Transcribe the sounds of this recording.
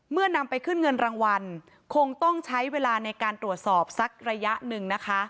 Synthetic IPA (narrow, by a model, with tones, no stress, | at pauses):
mɯ˥˩ɐna˧mpa˧jkʰɯ˥˩nŋɤ˧nɾaː˧ŋwa˧n | kʰo˧ŋt̪ɔ˥˩ŋt͡ɕʰa˦˥jweː˧laː˧na˧jkaː˧nt̪ɾu˨˩ət̪̚sɔː˨˩p̚sa˦˥k̚ɾa˧ja˦˥ʔnɯ˨˩ŋna˦˥kʰa˦˥